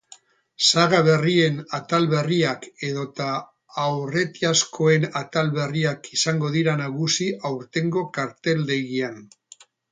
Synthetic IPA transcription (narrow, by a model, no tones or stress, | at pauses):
saɣaβ̞e̞rie̞nat̪alβe̞riake̞ð̞o̞t̪aː | wre̞t̪iaskʰo̞e̞nat̪alβe̞riakisaŋɡo̞ðiɾanaɣusiʔawɾt̪e̞ŋɡo̞kaɾt̪e̞ld̪e̞ɣian